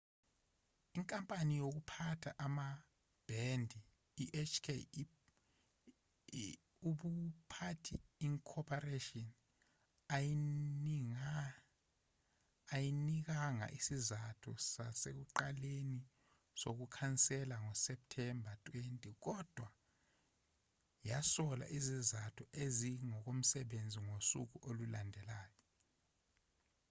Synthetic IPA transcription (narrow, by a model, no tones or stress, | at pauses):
iŋkʼampʼanijok̬upʰatʰaʔama | b̥ʱɛndʱiː | ʔɛt͡ʃʰkʰe | uɓupʰatʰiiŋkʰɔpʰareʃʼɔn | ai | jinik̬aŋa̰ʔisizatʰɔsasek̬uǃaleni | sok̬ukʰant͡sʼɛlaŋɔsɛp̚tʰɛmbʱatʼwentʼɛk̬ɔd̥ʱwa | jasɔla̰ʔizizatʰɔeziŋɔk̬om̩sɛɓend͡zʱiŋosuk̬uʔolulandʱɛlaːjɔ